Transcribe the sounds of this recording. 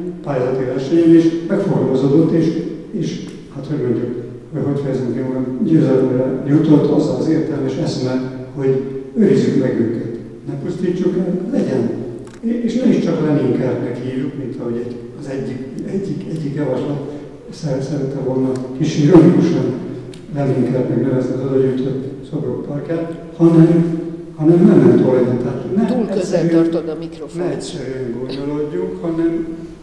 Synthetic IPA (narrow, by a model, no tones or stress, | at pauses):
paːjazɒt̪ivɛrʃɛɲɛneʃmɛkfoɾɡozoːd̪o̞t̪ːeːʃ | eːʃ | hat̪hoɟɡoɲɟok | hocho̞chɒɛziŋkeulɛnɟøːzɛløːɾɛjut̪o̞t̪ːɒzːɒɒzeːrt̪ɛlmɛʃɛsmɛlho̞ɟøɾizːykmɛɡyŋkɛt̪ | nɛpust̪iːt͡ʃːukɛlɛɟɛn | eːʃnɛiʃt͡ʃɒklɛniŋkaːbnɛkhiːvjukmint̪ɒɦo̞ɟɛɟ | ɒzɛɟːikɛɟːikɛɟːikjɒvɒʃlɒt̪ | sɛsɛɾɛt̪ːɛvolnɒkiʃiɾonikuʃɒn | lɛniŋkaːbmɛɡnɛvɛst̪ɒzod̪ɒɟyjt̪øsobrok̚pɒrkjaːt̪ | hɒnɛm | hɒnɛmnɛmlɛnt̪olnit̪ɛɦaːt̪honɛsɛɾy | nɛɛtsɛŋɡond̪oloɟːukhɒnɛm